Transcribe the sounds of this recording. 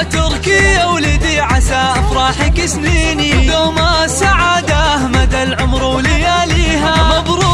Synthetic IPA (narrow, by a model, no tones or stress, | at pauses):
t̪ʊɾkɪawlɪd̪iʕasaːʔafɾˤɑːħɪkɪsniːnidomasaʕaːd̪aʔahmad̪alʕʊmɾwlɪjaːliːɦamabɾˤuː